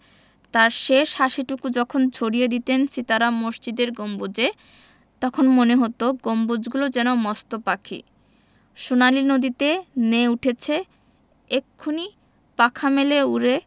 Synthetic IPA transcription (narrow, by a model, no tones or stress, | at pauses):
t̪aɾʃeʃhaʃiʈukud͡ʑɔkʰond͡ʑʱoɾijed̪it̪ensit̪aɾamoʃt͡ɕid̪eɾɡombud͡ʑe | t̪ɔkʰonmoneɦot̪oɡombud͡ʑɡulod͡ʑɛnomɔst̪opakʰḭ | ʃunalinod̪it̪eneuʈʰet͡ɕʰe | ekʰːuni | pakʰameleuɾe